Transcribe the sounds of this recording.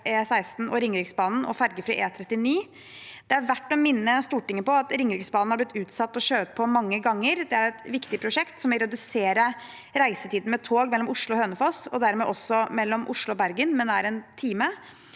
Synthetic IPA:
eːsæɪst̪n̩ɔɾɪŋɾɪksbɑːnn̩ɔ̰fæɾɡəfɾiːʔeːt̪ʰɾɛt̪ːɪniː | d̪̥ɛæɾʋæʈːɔmɪnːəst̪uːʈɪŋːəpɔɑt̪ɾɪŋɾɪksbɑːnn̩hɑɾblɪt̪ːʉːt̪sɑt̪ːɔɕøːt̪̚pʰɔmɑŋːəɡɑŋːəɾd̪ɛæɾɛt̪ʋɪkt̪ɪpʰɾʊʂɛkt̪sɔmʋɛɪɾɛd̪ʉseːɾə | ɾæɪsət̪iːd̪n̩mɛt̪ʰoːɡmɛlːɔmʊʂɭʊɔhøːnəfɑsɔd̪æɾmɛʔɔsːɔmɛlːɔmʔʊʂɭʊɔbæɾɡənmɛnd̪æɾɛnt̪ʰiːmə

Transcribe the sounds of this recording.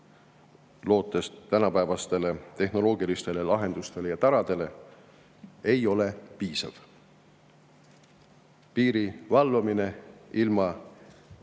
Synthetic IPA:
lo̞ːt̪ːˑe̞st̪ːænɑpæːvɑst̪e̞le̞t̪e̞hno̞lo̞ːɡ̥ilist̪e̞lelɑɦe̞nd̪̥ust̪e̞lejɑt̪ɑɾɑd̪̥e̞le̞ | e̞jo̞le̞piːsɑ̰v̥ | piːɾivɑlːumine̞ilmɑ

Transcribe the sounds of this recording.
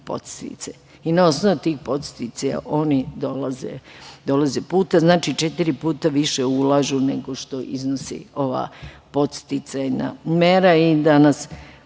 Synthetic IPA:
po̞̰t̪st̪ḭt̪se | inao̞snoʋut̪iːxpo̞t̪st̪it̪saja̰ʔo̞nid̪o̞lazḛd̪o̞lazepuːt̪aznaːt͡ʃit͡ʃet̪iɾipuːt̪aʋiʃeulaʒune̞ɡo̞ʃt̪o̞ʔiznosḭo̞ʋa̰ːpo̞t̪st̪it̪sana̰meɾaid̪anas

